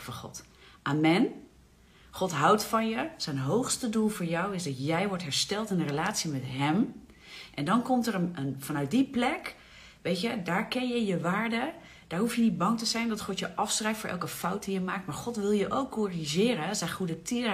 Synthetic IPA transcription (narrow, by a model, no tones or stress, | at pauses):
fɔnχɔ̰t | ʔaːmɛn | χɔtɦawtfɔnjəz̥ɛjnɦowxstədulˠvoːɹjɔwɪsdɔtjɛjʋɔɹtɦɛɹstɛlˠtɪnərəlaːtsimɛtɦɛm | ʔɛndɔnkɔmtərəənfɑnœɥt̚diplɛk | ʋejtjədaːɹkɪnjəjəʋaːɹdə | d̥aːɹɦufjənit̚bɑŋtəzɛjndɔtχɔtjəʔɑfsrɛjftfːʔɛ̰lˠkəfawt̚dijəmaːk̚tmaːɹχɔtʋɪlˠjəʔowkːoriʒɪːɾəsɛjχudətiə